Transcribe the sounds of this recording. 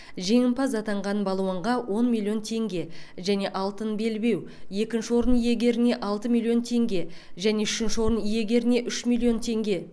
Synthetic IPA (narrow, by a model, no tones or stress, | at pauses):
ʒe̞ŋɪmpɑzɑt̪ɑɴʁɑnbɑlˠuəɴʁɑwo̞nmʲilʲˠːjo̞nt̪ʰe̞ŋɡʲe̞ʒæne̞ʔɑlˠt̪ənbe̞lbe̞w | je̞kʲɪnʃɪwo̞ɾənije̞ɡʲe̞ɾɪne̞ʔɑlˠt̪əmʲilʲˠjo̞nt̪ʰe̞ŋɡʲe̞ʒæne̞ʏʃɪnʃɪwo̞ɾənije̞ɡʲe̞ɾɪne̞ʔʏʃmʲilʲˠjo̞nt̪ʰe̞ŋɡʲe̞